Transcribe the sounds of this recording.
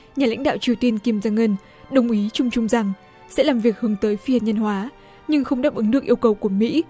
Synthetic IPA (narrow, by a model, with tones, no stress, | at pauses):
ɲaː˨˩la̰˧˥jŋ̟ɗa̰ː˧˨wt͡ɕi˨˩əwt̪i˧ənki˧mzaː˧ŋə˧n | ɗə˨˩wŋ͡mʔi˨˦t͡ɕʊ˧ŋ͡mt͡ɕʊ˧ŋ͡mza˨˩ŋ | sɛ̰˧˥laː˨˩mvi˨˩ək̚hɨ˨˦əŋt̪əː˨˦jfi˧ha̰˨˩n̚ɲə˧nhwaː˨˦ | ɲɨ˧ŋxə˧wŋ͡mɗa̰ː˨˦˥p̚ʔɨ˨˦ŋɗɨ˨˩əkʔi˧əwkə˨˩wku˧˩əmḭ˧˥